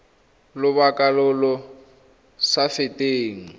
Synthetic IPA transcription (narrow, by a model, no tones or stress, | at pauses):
lʊβakʼalʊlɔ | safɪtʼeːŋ̩